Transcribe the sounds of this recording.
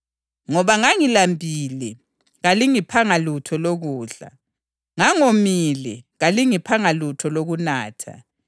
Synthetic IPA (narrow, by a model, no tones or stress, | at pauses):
ŋɔβaŋaŋilambʱiːlɛ | ɣaliŋipʰaŋalutʰɔloɣuːɮa̰ | ŋaŋomilɛɣaliŋipʰaŋalutʰɔloɣunaːtʰa̰